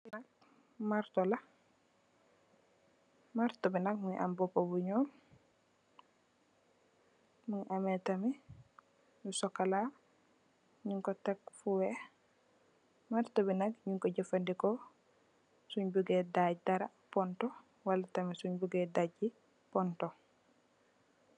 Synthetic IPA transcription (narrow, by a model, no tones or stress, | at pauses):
binak̚ | maɾtɔla | maɾtɔbinak̚muɲʔa̰mbɔpobuɲɔːn | muɲʔamɛtami | jusɔkːala | ɲuŋkɔtɛkfuwɛ | maɾtɔbinaɡ̚ɲuŋkɔɟɛfandikɔ | suɲbuɡɛdaɟdaɾa | pɔntɔ | walatamisuɲbuɡɛdaɟi | pɔntɔ